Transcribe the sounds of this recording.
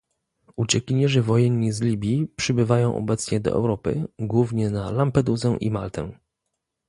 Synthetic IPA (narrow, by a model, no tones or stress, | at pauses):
ut͡ɕɛkʲiɲɛʐɘvɔjɛnːizlʲibʲjipʂɘbɘvajɔ̃w̃ʔɔ̰bɛt̪sɲɛd̪ɔ̰ʔɛ̰wɾɔpɘ̰ɡwuvɲɛnalampɛd̪uzɛʔḭma̰lt̪ɛ̰